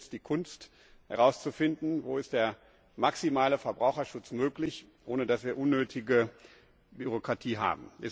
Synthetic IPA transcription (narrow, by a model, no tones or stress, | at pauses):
sd̥iːkʰʊnst | hɛ̰ʁ̞aʊst͡sufɪndn̩voːɪst̚d̥eːɐ | maksimaːləfɛɐbʁaʊxɐʃʊt͡smøːklɪç | ʔoːnədasv̥iːɐʔʊnːøːtʰɪɡə | byʁokʁ̥atʰiːɦa̰ːbm̩ɛs